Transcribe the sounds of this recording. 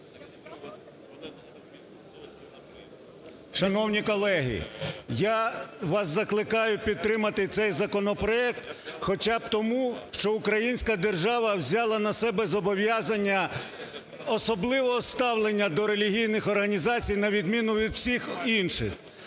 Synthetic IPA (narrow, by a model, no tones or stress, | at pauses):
ʃɐnɔwnʲikɔlˠɛɦɪ̰jaʋɑszɐklˠɪkɑjʊpʲid̪̚t̪ɾɪmɐt̪ɪt̪sɛjzɐkɔnɔpɾɔɛk̚t̪xɔt͡ʃɑb̚t̪ɔmuʃt͡ʃɔʊkɾɐjinʲsʲkɐd̪erʒɑʋɐwzʲɑlˠɐnɐsɛbɛzɔbɔʋʲjazɐnʲːɐ | ɔsɔblˠɪʋɔɦɔst̪ɑwlˠenʲːɐd̪ɔɾe̞lʲiɦʲijnɪxɔrɦɐnʲizɑt͡sʲijnɐʋʲid̪mʲinʊʋʲid̪wsʲixinʃɪ̰x